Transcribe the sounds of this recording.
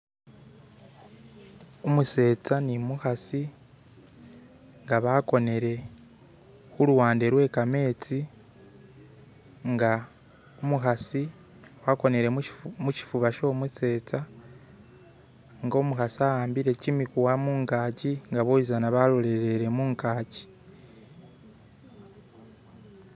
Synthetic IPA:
omuse̞ːt͡sanimuxasi | ŋɡaβako̞ne̞ɾe̞ | xuluwaːnde̞ɾwe̞ːkame̞ːt͡si | ŋɡa | omuxasi | wako̞ne̞ɾe̞muci̥fuβaʃo̞ːmuse̞ːt͡sa | ŋɡo̞ːmuxasiahaːmbiɾe̞cimikuwamuːŋkaːciŋɡaβoizanaβalole̞ɾe̞ɾe̞muːŋkaːci̥

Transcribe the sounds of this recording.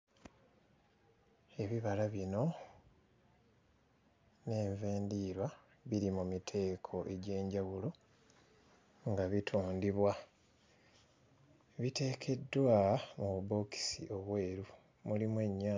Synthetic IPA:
e̞βiβalaβino̞ | ne̞ːɱveːndiːɾwa | βiɾimumitʰe̞ːkʰo̞ʔe̞ɟe̞ːɲɟawulo̞ | ŋɡaβitʰuːndiβwa | βite̞ːkʰe̞dːwamuβubo̞ki̥sḭʔo̞βwe̞ːɾu | mulimwe̞ɲːaː

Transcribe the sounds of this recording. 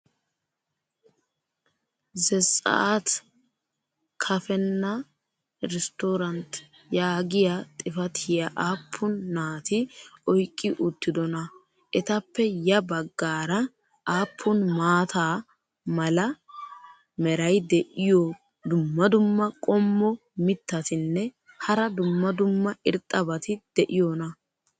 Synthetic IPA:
zɛsʼɐ̰ʔat̪ | kʰɐfɛnːɐ | ɾɛst̪oːɾɐnt̪ | jaːɡɪjɐt̪ʼɪfɐt̪ʰɪjɐʔaːpʰːʊnːaːt̪ɪɔjkʼːɪʔʊt̪ːɪd̪ɔnɐ | ʔɛt̪ɐpːɛjɐbɐɡːaːɾɐ | ʔaːpʰːʊnmaːt̪ʰaː | mɐlɐ | mɛɾɐjd̪ɛʔɪjo | d̪ʊmːɐd̪ʊmːɐkʼɔmːɔ | mɪt̪ːɐt̪ɪnːɛ | hɐɾɐd̪ʊmːɐd̪ʊmːɐʔɪɾt̪ʼːɐbɐt̪ɪd̪̥ɛʔɪjonɐ

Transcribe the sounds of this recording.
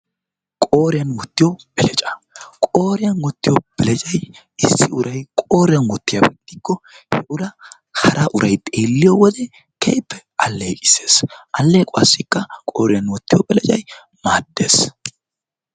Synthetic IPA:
kʼo̞ːɾɪjɐnwɔt̪ːɪjɔb̥ɛlɛt͡ʃʼɐ̥kʼoːɾɪjɐnwɔt̪ːɪjɔb̥ɛlɛt͡ʃʼɐj | ɪsːɪʊɾɐjkʼo̞ːɾɪjɐnwɔt̪ːɪjɐbɛt̪ːɪkːɔ | hɛʔʊɾɐ | hɐɾʔaʔʊɾʔɐjt̪ʼeːlːɪjɔwɔd̪ɛ | kʰḛjpːɛ̥ | ɐlːeːkʼɪ̥se̞ːsʔɐlːeːkʼʊɐsːɪkːɐkʼo̞ːɾɪjɐnwɔt̪ːɪjɔbɛlɛt͡ʃʼɐ̰j | maːd̪̥ːe̞ːs

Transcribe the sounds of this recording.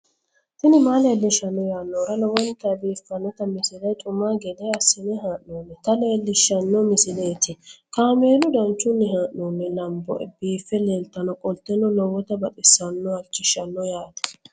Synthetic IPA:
t̪ɪnɪmaːleːlːɪʃɐnːɔjaːnːoːɾɐlɔwɔnt̪ɐbiːfːɐnːɔt̪ɐmɪsɪlɐjt̪ʼʊmːaːɡɛd̪ɐjɐsːɪnɛɦaːʔnoːmːɛt̪ɐle̞ːlːɪʃːɐnːɔmɪsɪlejt̪ɪkaːme̞ːlʊd̪ɐnt͡ʃːʊnːɛhaːʔnoːmːɛlɐmbɔ̰ʔɛ̰biːfːɛleːlt̪ɐnɔkʼɔlt̪ːɛnɔlɔwɔt̪ɐbɐt̪ʼɪsːɐnːɔɐt͡ʃːɪʃːɐnːɔjaːt̪ɛ̥

